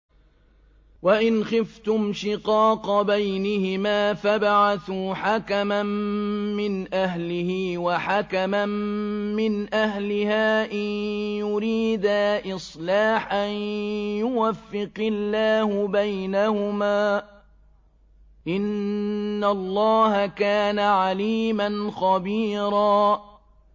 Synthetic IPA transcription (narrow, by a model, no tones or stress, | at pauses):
waʔɪnxɪft̪ʊmʃɪqɑːqɑbajnɪhɪmaːfabaʕaθuːħakamamːɪnʔaɦlɪhiːwaħakamammɪnʔaɦlɪhaːʔanjʊɾiːd̪aʔɪsˤlaːħʔanjʊwafːɪqɪlːaːhʊbajnahʊmaː | ʔɪnː | alˤːɑːhakaːnaʕaliːmanxɑbiːɾˤɑː